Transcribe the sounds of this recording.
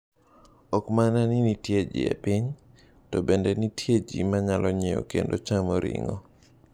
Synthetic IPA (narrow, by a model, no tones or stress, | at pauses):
ɔkmananinitjed͡ʒḭḛpiɲ | tɔbendenitʰjed͡ʒimaɲalʔɔɲeo̰kendot͡ʃamɔɾɪ̰ŋɔ̰